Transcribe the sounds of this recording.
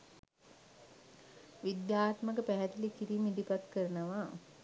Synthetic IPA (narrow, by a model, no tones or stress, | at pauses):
ʋid̪jaːt̪məkəpæɦɛt̪ilikiɾiːmid̪ipat̪kəɾənəʋa